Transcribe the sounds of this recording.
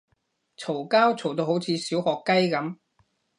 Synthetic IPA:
t͡sʰo˨˩wkaː˥wt͡sʰo˨˩wt̪̬o˧who˨˥wt͡sʰiː˨˧siː˨˥whɔː˨kːɐ˥jkɐ˨˥m

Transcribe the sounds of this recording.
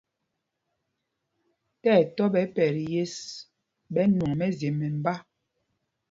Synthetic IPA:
tɛː˦˨tɔ˦ɓɛ˨˦pɛ˨ɾje˦s | bɛ˨˦nwɔ˨ŋmɛ˦ze˨mːɛ˨m̩˨ba˦

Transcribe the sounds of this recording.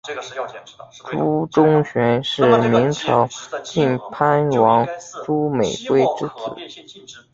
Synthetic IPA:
ʈ͡ʂu˧˥ʈ͡ʂʊ˥ŋɕɥɛ˧˥nʂɻ̩˥˩mi˧˥ŋʈ͡ʂʰɑ˧˥ʊt͡ɕi˥˩npʰa˥nwɑ˧˥ŋʈ͡ʂu˥me˨˩ɪkwe˥˧ɪʈ͡ʂɻ̩˥˧t͡sʰɹ̩˨˩˦

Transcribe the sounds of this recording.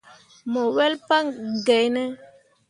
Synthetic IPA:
mo˨wɛ˦lpa˦ŋɡɛ˨jnɛ˦

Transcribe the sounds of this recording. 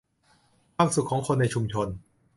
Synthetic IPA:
aː˥˩k̚su˨˩t̚kʰːɔː˩˦ŋkʰo˧nːa˧jt͡ɕʰu˧mt͡ɕʰo˧n

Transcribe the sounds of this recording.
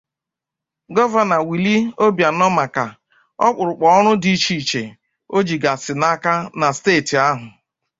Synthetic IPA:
ɡɔ˦va˨na˨wi˨li˦o˦bja˨nɔ˦ma˨ka˨ | ɔ̰˦k͡pʊ˨ɾʊ˨k͡pɔ˨ɔ˦ɾʊ˦di˨˦t͡ʃi˨t͡ʃe˨ | o˦d͡ʒi˨ɡa˨sɪ˨na˦ka˦na˨steː˦˨ti˨a˦ɦʊ˨

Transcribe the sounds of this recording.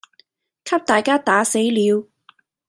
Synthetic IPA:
kʰɐ˥p̚t̪aː˨˩jkaː˥t̪aː˨˥se˨˥jliː˨˧w

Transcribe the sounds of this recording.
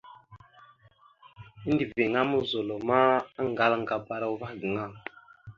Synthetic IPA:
i˦n˦di˨ve˨ŋa˦mu˦zo˨lo˨ma˦a˦ŋ˨ɡa˦la˦ŋ˨ɡa˨ba˦ɾa˦wva˦˨ɡə˨ŋa˦˨

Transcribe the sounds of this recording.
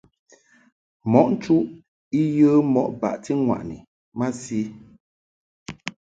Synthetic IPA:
mɔ˨˦ʔn̩˦t͡ʃu˦ʔ | i˦jə˦mɔ˦˨ʔba̰˨ʔti˦ŋwa̰˨ʔnḭ˨ | ma˦si˦

